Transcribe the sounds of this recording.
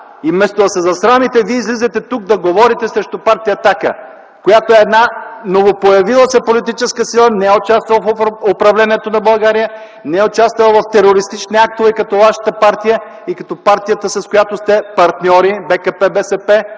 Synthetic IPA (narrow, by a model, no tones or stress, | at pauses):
imɛst̪oɐsɛzɐsɾamit̪ɛviəizlizɛt̪ɛt̪uk̚d̪ɐɡovɔɾit̪ɛsɾɛʃt̪opaɾt̪ijɐt̪akə̰ | kojat̪oɛːd̪nanovopojɐvilˠəsɛpolit̪̬it͡ʃɛskəsilˠənɛɛot͡ʃast̪vɐlˠəfopɾɐvlɛniɛt̪onɐbɐlˠɡaɾijə | nɛɛot͡ʃast̪vɐlˠəvɐft̪ɛɾoɾist̪it͡ʃniak̚t̪ovɛkɐt̪ɔvaʃə̥t̪əpaɾt̪ijə | ikɐt̪ɔpaɾt̪ijət̪əsɐskojat̪ost̪ɛpɐɾt̪nʲɔɾibɛkəpɛbɛsɛpɛ